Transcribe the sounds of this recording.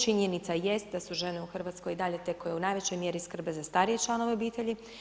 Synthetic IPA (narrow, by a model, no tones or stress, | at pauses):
t͡ʃiɲenit̪saje̞st̪̚d̪asuʒe̞neuxr̩ʋat̪sko̞jid̪aʎe̞t̪ekojeunaːjʋet͡ɕo̞jmje̞ɾiskr̩be̞zast̪aɾije̞t͡ʃlˠano̞ʋeo̞biːt̪e̞ʎi